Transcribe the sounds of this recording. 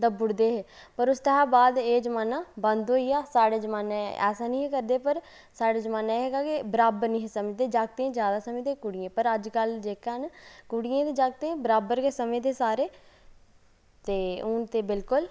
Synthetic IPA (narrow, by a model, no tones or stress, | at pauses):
d̪əbʊɽd̪eːɦeːpəɾʊst̪əɦaːbaːd̪eːd͡ʒəmaːnãːbənd̪ɦoːijaːsaːɽaːd͡ʒəmaːnãːɛ̰ːsaːnĩːɦekəɾd̪eːpəɾ | saːɽaːd͡ʒəmaːnaɦeːɡaːkɪbəɾaːbəɾnĩːɦesəməd͡ʒd̪eːd͡ʒaːɡ̚t̪eːẽːd͡ʒjaːd̪aːsəmẽːt̪eːkʊɽɪjẽːpəɾəd͡ʒkəld͡ʒeːkːənkʊɽɪjẽːt̪eːd͡ʒaːɡ̚t̪eːẽːbəɾaːbəɾkeːsəmẽːt̪eːsaːɾeː | t̪eːʊnt̪eːbɪlkʊl